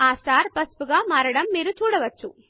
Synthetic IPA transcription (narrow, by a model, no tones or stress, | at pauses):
aːsʈaːɾpɐspuɡaːmaːɾɐɽɐmːiːɾut͡ʃuːɽɐʋɐt͡ʃːu